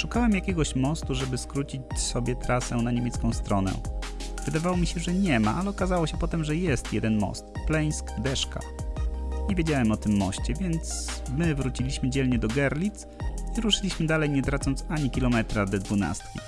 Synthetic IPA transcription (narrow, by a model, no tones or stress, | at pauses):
ʂukawɛmjakʲɛɡɔɕmɔst̪uʐɛbɘskɾut͡ɕit͡ɕsɔbʲjɛt̪ɾasɛnaɲemʲjɛt̪skɔ̃w̃st̪ɾɔnɛ̰ | vɘd̪avawɔmʲiɕɛʐɛɲɛma̰ʔalɛɔkazawɔɕɛpɔt̪ɛmʐɛjɛst̪jɛd̪ɛnmɔ̰st̪̚plɛj̃skd̪ɛʂka̰ | ɲɛvʲjed͡ʑawɛmɔt̪ɘmːɔ̰ɕt͡ɕɛvʲjɛnt̪smɘvɾut͡ɕilʲiɕmɘd͡ʑɛlɲɛd̪ɔɡɛɾlʲit̪siɾuʂɘlʲiɕmɘd̪alɛjɲɛt̪ɾat̪sɔnt̪saɲikʲilɔmɛt̪ɾad̪ɛd̪vuna̰st̪kʲḭ